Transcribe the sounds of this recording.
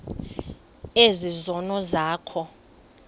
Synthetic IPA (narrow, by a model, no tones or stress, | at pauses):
ezizɔnɔzaːkʰɔ